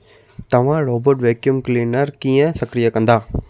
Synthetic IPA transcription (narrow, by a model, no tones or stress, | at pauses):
t̪ɐʋãɾoːbɐɾʈʋeːkjumklinɐɾkijɐ̃sɐkɾɪjɐkɐnd̪aː